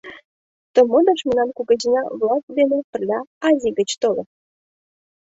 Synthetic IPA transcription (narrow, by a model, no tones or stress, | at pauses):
t̪omod̪əʃmə̆nɑnkuɣəʑinɑvlɑst̪̚d̪enepə̆rlʲɑɑzʲiɡət͡ɕt̪ole